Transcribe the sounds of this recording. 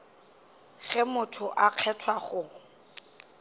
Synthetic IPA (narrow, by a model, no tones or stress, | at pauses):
ɣɪmʊtʰʊʔaq͡χʰɛtʰwaχʊ